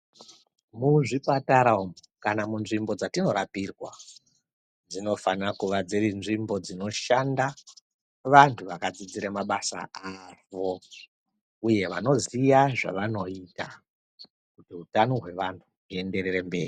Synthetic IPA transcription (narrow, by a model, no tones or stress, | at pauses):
muʐipataɾaom | kanamunʐimbo̞d͡zatino̞ɾapirwa | d͡zino̞fanrakuʋad͡zeɾinʐimbo̞d͡zino̞ʃanda | ʋantʰuʋakad͡zid͡ziɾemaɓasa̰aʋo̞ | uje̞ʋa̰no̞zijaʐa̰ʋano̞ita | kutiɦutanoɦwe̞ʋantʰuɦue̞nde̞rerembe̞̰ːri